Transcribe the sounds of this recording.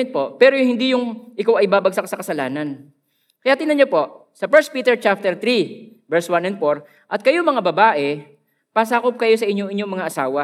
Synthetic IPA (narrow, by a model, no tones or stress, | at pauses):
ɛn̚po̞pɛːɾojhɪnd̪ijʊŋʔɪkawʔɐjbaːbɐɡ̚sakɐsɐkɐsɐlaːnɐn | kɐjaːt̪ɪnɐɲopo̞ʔsɐpɛɹspiːt̪ɛɹt͡ʃap̚t̪ɛɾt̪ɾivɛɹswanɛnd̪foɾ | ʔɐt̪̚kɐjomɐŋabɐbaːʔɛ | pɐsaːkop̚kɐjo̞sɐʔɪɲːoʔɪɲːomɐŋaʔɐsaːwɐ